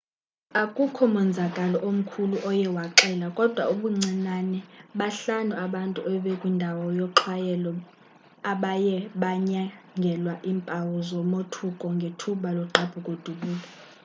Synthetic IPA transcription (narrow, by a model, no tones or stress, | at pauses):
akʼukʰɔmɛnd͡zʱakʼalɔʔom̩kʰuluʔɔjɛwaǃɛlakʼɔd̥ʱwa̰uɓuŋ͡ǀinanɛɓaɬanuaɓantʼuɛɓɛkʼwindʱawɔjɔǁʰwajɛlɔ | aɓajɛɓaɲaŋɡʱɛlwaʔimpʼawɔzɔmotʰukʼɔŋɡʱetʰuɓalɔǁab̥ʱukʼod̥ʱuɓuːla